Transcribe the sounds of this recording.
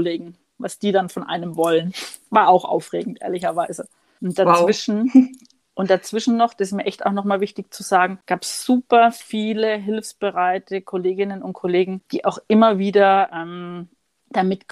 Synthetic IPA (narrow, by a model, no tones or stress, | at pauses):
leːɡŋ̩ | vasd̥iːdanfɔnʔa̰ɪnəmvɔlən | vaːɐaʊxʔa̰ʊfʁeːɡŋ̩tʔḛːɐlɪçɐvaɪzə | ʔʊnt̚d̥at͡sv̥ɪʃn̩ | ʔʊntd̥at͡sv̥ɪʃn̩ːɔχd̥asɪsmiːɐʔɛçtaʊxnɔχmaːlvɪçtɪçt͡suzaːɡŋ̩ɡ̥aːpsz̥uːpɐfiːləɦɪlfsb̥əʁaɪtʰəkʰoleːɡɪnənʊnt̚kʰoleːɡŋ̩d̥iːʔaʊxʔɪmɐviːdɐʔɛm | d̥amɪt